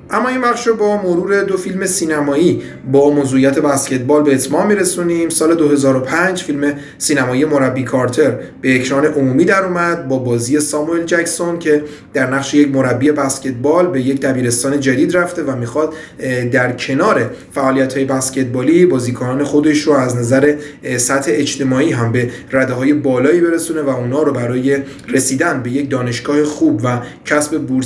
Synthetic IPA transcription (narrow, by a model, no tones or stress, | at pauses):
ʔæmːɒːinvæχʃobɒːmoɾuːɾe̞d̪o̞filme̞siːnæmɒːiː | bɒːmoːzuijæt̪ʰe̞bæsce̞t̪̚bɒːlbe̞ːt̪ʰmɒːmmːiɾe̞suniːmsɒːle̞d̪oɦe̞zɒːɾo̞pʰænd͡ʒfilme̞ | siːnæmɒːije̞mo̞ɾæbːikʰɒɾt̪ʰe̞ɾb̥e̞ecʰɾɒːne̞ʔomuːmiːd̪æɾuːmæd̪̚bɒːbɒːziːje̞sɒːmue̞ld͡ʒæcso̞ncʰe̞ | d̪æɾnæɣʃe̞jecmo̞ɾæbːie̞bæscʲe̞t̪̚bɒːlbe̞je̞cd̪æbiːɾe̞st̪ɒːne̞d͡ʒæd̪iːd̪ræft̪e̞væmixɒːd̪d̪æɾcʰe̞nɒːɾe̞ | fæʔɒːlijæt̪hɒːje̞bæscʲe̞t̪̚bɒːlibɒːziːkʰonɒːne̞xo̞d̪e̞ʃɾoæznæzæɾe̞sæt̪he̞ːt͡ʃt̪ʰe̞mɒːiːɦæmbe̞ræd̪eɦɒːje̞bɒːlɒːiːbe̞ɾesune̞væuːnhɒːɾobæɾɒːje̞ | re̞siːd̪ænbe̞je̞cd̪ɒːne̞ʃɡ̥ɒːhexuːbvæcʰæsbe̞buɾ